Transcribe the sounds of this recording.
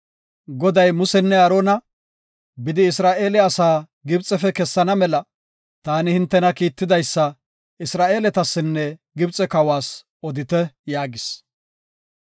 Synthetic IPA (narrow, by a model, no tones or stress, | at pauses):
ɡɔd̪ɐjmʊsɛnːɛɐɾoːnɐ | bɪd̪ɪːsɾaːʔe̞ːlɛɐsaː | ɡɪbt͡sʼːɛfɛkɛsːɐnɐmɛlɐ | t̪aːnɪhɪnt̪ːɛnɐkiːt̪ːɪd̪ɐjsːɐ | ɪsɾaːʔe̞ːlɛt̪ɐsːɪnːɛɡɪbt͡sʼɛkɐwaːs | ɔd̪ɪt̪ɛjaːɡɪs